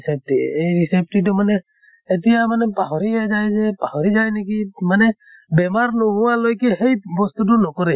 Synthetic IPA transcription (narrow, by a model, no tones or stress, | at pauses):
sɛp̚tiejɹisep̚tit̬ʊmanɛː | tijamanɛpaɦɔɾiazajzɛpahɔɹizajnikimanɛ | bɛmaɹnɔɡʊwalojkɛhejbɔst̪ut̬ʊnɔkɔɾɛ